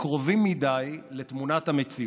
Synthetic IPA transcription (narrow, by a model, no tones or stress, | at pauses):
kʁo̞vimːidajlet̪munat̪hamet͡si